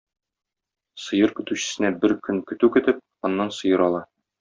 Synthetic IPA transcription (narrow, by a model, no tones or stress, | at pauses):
sɤ̆jɤɾkɵ̆t̪ʉɕɘ̥̆sɘ̆næbɘɾkɵŋkɵ̆t̪ʉkɵ̆t̪ɘp̚ | ɒ̆nːɑnsɤ̆jɤɾɒlˠɑ